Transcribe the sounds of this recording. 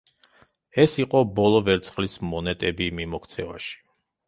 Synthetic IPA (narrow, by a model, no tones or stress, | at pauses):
ɛsiqʼɔbɔlˠɔvɛɾt̪sʰχlismɔnɛt̪ʼɛbimimɔkʰt̪sʰɛva̰ʃi̥